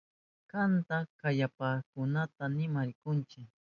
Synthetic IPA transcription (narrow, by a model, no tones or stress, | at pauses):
kant̪akajapakʊnat̪anɪmaɾɪkʊnt͡ʃɪk